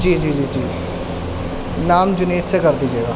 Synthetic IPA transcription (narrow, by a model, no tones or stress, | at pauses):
d͡ʒiːd͡ʒiːd͡ʒiːd͡ʒiː | naːmd͡ʒʊneːt̪sekɐɾd̪iːd͡ʒeːɡaː